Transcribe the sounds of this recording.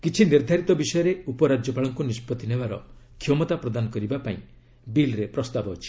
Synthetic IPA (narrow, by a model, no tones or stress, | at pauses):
kit͡ʃʰiniɾd̪ʱaɾit̪ɔbisɔjɔɾeupɔɾad͡ʒjɔpaɭɔŋkunispɔt̪ːinebaɾɔ̰kʰjomɔt̪apɾɔd̪anɔkɔɾibapaḭ̃ | bilɾepɾɔst̪abɔɦot͡ʃʰi̥